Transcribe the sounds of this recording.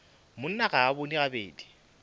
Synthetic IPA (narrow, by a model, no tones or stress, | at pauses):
mʊn̩naɣaːbonirabeːdi̥